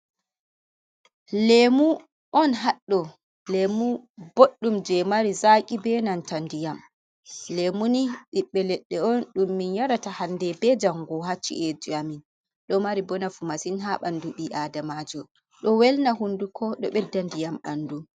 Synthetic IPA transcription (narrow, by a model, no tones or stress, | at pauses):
lemu | ʔɔnɦaɗːɔ | lemuboɗːumd͡ʒɛmaɾizakʲʼibɛnantandijam | lemuniɗiɓːɛlɛɗːɛɔnɗumːinjaɾatahandɛbɛd͡ʒamɡɔɦat͡ʃːḭʔed͡ʒiamin | ɗɔmaɾibɔnafumasinɦaɓanduɓiʔadamad͡ʒɔ | ɗɔwɛlnaɦundukʰɔɗɔɓɛdːandijama̰ndu